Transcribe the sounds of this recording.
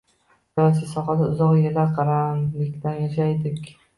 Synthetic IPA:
sɪsɒχɑd̪aʊzɒqjelʲaqʰɑɾanlɪkʲt̪anjaʃajd̪ɪkʲ

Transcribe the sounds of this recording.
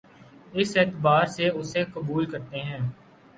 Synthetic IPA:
ɪsɛːt̪baːɾseʊsekəbuːlkɐɾt̪eɦɛ̃ː

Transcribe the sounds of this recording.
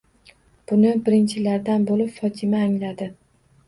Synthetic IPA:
b̥ʊnɪbɪɾɪnt͡ʃʰɪlaɾd̪anbolɪpfɒt̪ʰɪmaːŋlad̪ɪ

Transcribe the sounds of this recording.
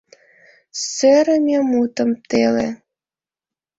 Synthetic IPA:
søɾəmʲemut̪ə̆mt̪elḛ

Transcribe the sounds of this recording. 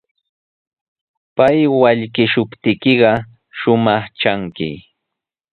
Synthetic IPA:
pajwaʎkɪʃʊpt̪ɪkɪɢɑ | ʃʊmɑχt͡ʃaŋkɪ̰

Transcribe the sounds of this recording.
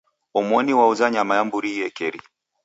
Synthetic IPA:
ɔmwɔniwauzaɲamajambuɾijɛkɛɾi

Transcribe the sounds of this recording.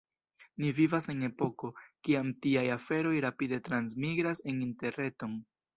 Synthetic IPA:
nivivase̞ne̞po̞ko̞kiamtiajafe̞ɾo̞jɾapide̞tɾansmiɡɾase̞ninte̞ɾe̞to̞n

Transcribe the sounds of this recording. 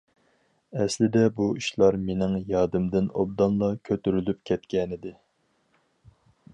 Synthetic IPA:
ɛslɪd̪ɛbuiʃlˠɑɾmenɪŋjɑːd̪ɪmd̪ɪnob̚d̪ɑnlˠɑkʲʰøt̪yɾylyp̚kʲʰɛt̪kʲɛnɪd̪ɪ

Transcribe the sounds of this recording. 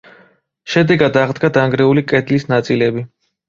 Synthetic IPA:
ʃɛd̪ɛɡad̪aʁd̪ɡad̪aŋɡɾɛulikʼɛd̪lisnat̪sʼilɛbi

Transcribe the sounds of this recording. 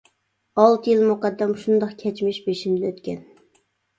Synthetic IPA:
ɑlˠt̪ʰɨjilˠmuqɑd̪ːɛmʃund̪ɑqkʲʰɛt͡ʃmɪʃbeʃind̪ɪøt̪kʲʰɛn

